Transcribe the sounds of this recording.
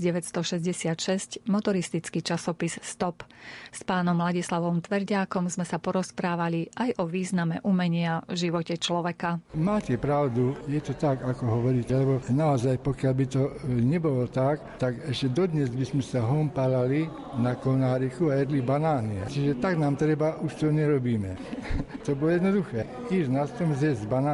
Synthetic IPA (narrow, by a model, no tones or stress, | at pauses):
ɟɛʋɛtst̪ɔʃɛzɟɛsɪat̪ʃɛscmɔt̪ɔɾist̪it͡skit͡ʃasɔpisst̪ɔpspaːnɔmɦlaɟislaʋɔmt̪ʋɛɾɟaːkɔmzmɛsapɔɾɔspɾaːʋaliʔajʔɔʋiːznamɛ̰ʔumɛɲɪaʒiʋɔcɛt͡ʃlɔʋɛkamaːcɛpɾaʊd̪ujɛt̪ɔt̪akakɔɦɔʋɔɾiːcɛlɛbɔnaɔzajpɔkɪalbit̪ɔɲɛbɔlɔt̪akt̪aɡɛʃcɛd̪ɔd̪ɲɛzbizmɛsaɦɔmpalali | nakɔnaːɾixuajɛd̪libanaːnia̰t͡ʃiʒɛt̪aɡnaːmt̪ɾɛbaʔuʃt̪ɔɲɛɾɔbiːmɛt̪ɔbɔlɔjɛd̪nɔd̪uxɛː | kiʒnast̪ɔmzɛzbanaː